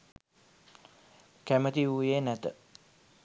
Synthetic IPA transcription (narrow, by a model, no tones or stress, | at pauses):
kæmət̪iuːjeːnæt̪ə